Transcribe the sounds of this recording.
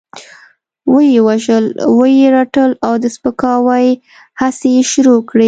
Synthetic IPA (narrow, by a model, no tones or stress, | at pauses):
wəjewaʒəlwəjeɾaʈəlawd̪əspəkɑwaj | hasejeʃɾokɽi